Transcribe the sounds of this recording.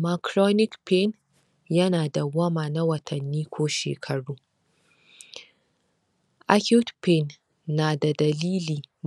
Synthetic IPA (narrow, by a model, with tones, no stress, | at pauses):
ma˨kɾɔ˦nɪ˦kpɛ˦n | jɐ˦naː˨da˨ɡɐ˦maː˨na˦wɐ˨tʰɐ˨nːiː˦kʷʰoː˦ʃḛː˨kʰɐ˨ɽuː˦ | ʔa˦kʲu˦tpe˦nː | aː˨da˨dɐ˨liː˦liː˨